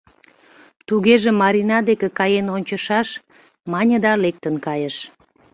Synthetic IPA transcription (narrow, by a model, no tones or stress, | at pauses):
t̪uɣeʒĕmɑɾinɑd̪ekekɑjenonʲt͡ɕə̆ʃɑʃ | mɑnʲə̆d̪ɑlek̚t̪ənkɑjəʃ